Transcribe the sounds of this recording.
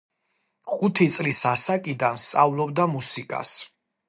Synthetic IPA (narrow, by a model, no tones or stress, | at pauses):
χut̪ʰit̪sʼlisasakʼid̪anst̪sʼavlˠɔb̚d̪amusikʼa̰s